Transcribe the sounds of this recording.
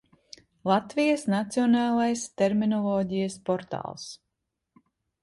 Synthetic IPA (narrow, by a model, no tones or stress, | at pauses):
lˠat̪vijəsnat̪siɔnɑːlˠajst̪eɾminɔlˠɔːɟijaspɔɾt̪ɑ̰ːlˠs